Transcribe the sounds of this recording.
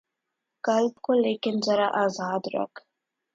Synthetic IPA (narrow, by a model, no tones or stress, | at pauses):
kalbkolekɪnzaɾaʔazɑːd̪ɾa̰k